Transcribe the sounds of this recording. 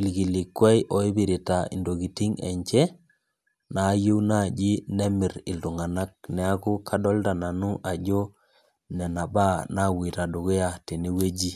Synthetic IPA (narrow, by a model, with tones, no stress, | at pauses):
i˨lɡi˨li˨kːwɛ˦jʔɔ˨i˦bi˨ɾi˨ta˨ḭ˨ndo˨ɣi˨ti˦ŋɛ̰˨ɲt͡ʃɛ˦ | naː˨˦ju˦wna˦˨d͡ʒi˦nɛ˦mi˨ɾɪ˨ldu˨ŋa˨na˦k̚nɛ˨˦a˦ku˦kʰa˦dɔ˦lta˨na˨nu˦ʔa˨d͡ʒo˦ | nɛ˨na˨ba˦na˦˨wi˨ta˨do˨ɣe˦ja˨te˨ni˦we˦d͡ʒi˦